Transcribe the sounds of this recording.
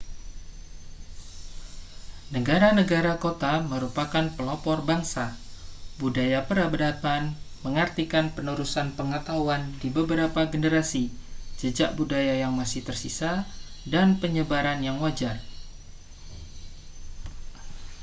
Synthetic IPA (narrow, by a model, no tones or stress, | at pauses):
nəɡaɾanəɡaɾakot̪aməɾupakanpəlɔpɔrbaŋsa | budajapəɾabəɾapanməŋərt̪ikanpənuɾusanpəŋət̪auandibəbəɾapaɡənəɾasid͡ʒəd͡ʒaʔbudajajaŋmasɪht̪ərsisadanpəɲəbaɾanjaŋwad͡ʒar